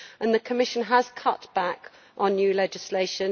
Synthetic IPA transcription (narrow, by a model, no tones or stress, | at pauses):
ʔə̃nðəkʰəmɪʃə̃nəz̥kʰʌʔb̥ak | ʔn̩jʉːlɛd͡ʒɪsleɪʃə̃n